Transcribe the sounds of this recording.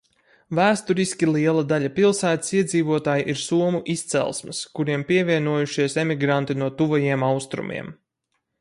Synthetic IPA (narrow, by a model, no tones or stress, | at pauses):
væːst̪uɾiskʲilˠiɛlˠad̪aʎʲapilˠsæːt̪ə̥siɛd̪ziːvuɔt̪aːjiʔiɾsuɔmuʔist̪sɛ̰lˠsmɨskuɾiɛmpiɛvʲiɛnuɔjuʃiɛsemiɡɾant̪inuɔt̪uvajiɛmawst̪ɾṵmʲʔḭɛm